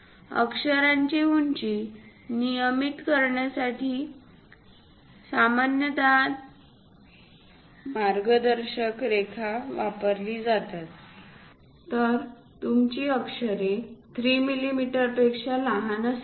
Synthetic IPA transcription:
ə̰kʂəɾaɲt͡ɕiuɲt͡ɕi | nijəmit̪kəɾɳjasaʈiː | samanjəd̪al | maɾɡəd̪əɾɕəkɾekʰaʋapəɾliːd͡zat̪at̪̚ | t̪əɾ | t̪umt͡ɕiːəkʂəɾet̪ʰɾiːmilimiʈəɾpekʂalaɦanəs

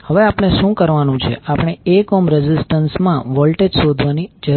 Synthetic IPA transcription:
həʋeapɳ̃eʃũkəɾʋanũt͡ʃʰḛʔapɽ̃eekɔmɾɛd͡ʒɪsʈənsmã̰ʋɔlʈed͡ʒsod̪ʱʋanid͡ʒə

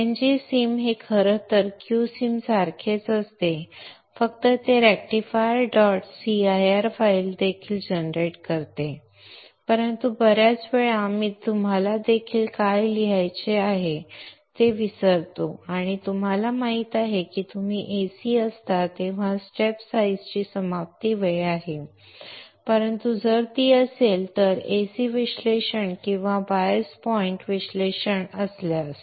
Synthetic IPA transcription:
ẽɲd͡ʑisimɦekʰəɾət̪əɾkjusiːmsaɾkʰet͡səst̪e | fəkt̪ət̪eɾæk̚ʈifajɖɔʈsiajaɾfajld̪ekʰiːld͡ʑənɾeʈkəɾt̪e | pəɾənt̪ubəɾjat͡sʋeɭamiːt̪ːum̤alad̪ekʰiːlkajliɦajt͡ɕeaɦet̪eʋisəɾt̪oaɽ̃it̪um̤alamaɦit̪aɦekiːt̪um̤iːʔesiːəst̪at̪ẽʋ̤asʈepsaid͡zt͡ɕiːsəmap̚t̪iːʋeɭaɦe | pəɾənt̪ud͡zəɾt̪iːəselt̪əɾesiʋiɕleɕəɳkĩw̃ʋabajəspɔiɳʈʋisleɕəɳəsljas

